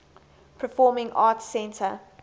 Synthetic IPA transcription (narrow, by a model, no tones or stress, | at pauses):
pʰəfɔːmɪ̃ŋʔɑːˑtsɛ̃ntʰə